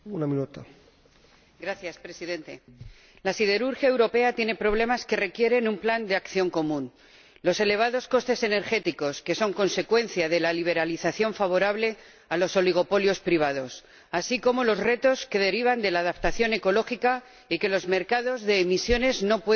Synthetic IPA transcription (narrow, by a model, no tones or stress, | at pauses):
unaminut̪a | ɡɾaθjaspɾe̞siðe̞nt̪e̞ | lasið̞e̞ɾuɾxjaewɾo̞pe̞at̪je̞ne̞pɾo̞β̞le̞maske̞re̞kje̞ɾe̞numpland̪eakθjo̞ŋko̞mũn | lo̞se̞le̞β̞aðo̞sko̞st̪e̞se̞ne̞ɾxe̞t̪iko̞ske̞so̞ŋko̞nse̞kwẽ̞nθjaðe̞laliβ̞e̞ɾaliθaθjo̞ɱfaβ̞o̞ɾaβle̞ | alo̞so̞liɣ̞o̞po̞ljo̞spɾiβ̞að̞o̞s | asiko̞mo̞lo̞zre̞t̪o̞ske̞ð̞e̞ɾiβ̞and̪e̞laːðapt̪aθjo̞ne̞ko̞lo̞xika | ike̞lo̞zme̞ɾkaðo̞zðe̞ːmisjo̞ne̞zno̞pwe